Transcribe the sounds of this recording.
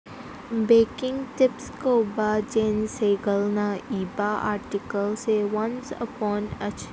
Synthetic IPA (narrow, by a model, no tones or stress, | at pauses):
beːkɪ̃ŋɡt̪ɪpskoːbad͡ʒẽːnseːɡəlnaiːbaʔa̰ːɾʈɪkəlseʋɐ̃nsə̰pɔːnɐt͡ʃ